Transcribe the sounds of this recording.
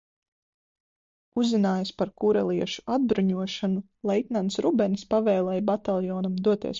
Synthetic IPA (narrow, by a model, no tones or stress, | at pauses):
uzːinaːjaspaɾkuɾɛlˠiɛʃu̥ad̪̚bɾuɲuɔʃanu | lˠɛit̪nansɾubɛnispavɛːlˠɛjbat̪alˠjɔːnamd̪uɔt̪iɛs